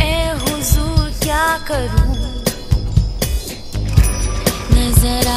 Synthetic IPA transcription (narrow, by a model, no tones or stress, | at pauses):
eɦʊzuːɾkjaːkəɾũː | nəzəɾa